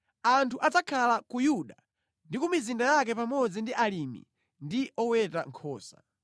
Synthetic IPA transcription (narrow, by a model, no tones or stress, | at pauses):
antʰuʔat͡sakʰalakujuɗa | ndikumizindajak̬ɛpamɔd͡zindiʔalimḭ | ndiʔɔwɛtaŋkʰɔːsa̰̥